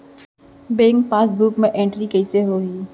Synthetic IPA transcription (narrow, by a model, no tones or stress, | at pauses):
beːŋɡpaːsbuːkmẽʔẽːɳʈɾikɛɪseɦoːiː